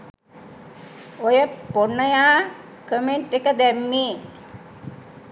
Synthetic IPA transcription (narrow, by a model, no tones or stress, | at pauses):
ojepːonəja | kəmenʈekad̪emːi